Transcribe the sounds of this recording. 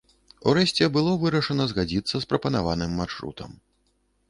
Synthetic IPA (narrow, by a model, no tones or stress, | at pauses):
ṵɾɛɕʲt͡sʲɛbɨlˠɔvɨɾɐʂɐnɐzɣad͡zʲit̪sːɐspɾɐpɐnavanɨmːarʂɾṵt̪ʰɐm